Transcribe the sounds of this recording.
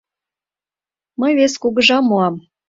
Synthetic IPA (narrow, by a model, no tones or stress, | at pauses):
məjβeskuɣə̆ʒɑmːuɑm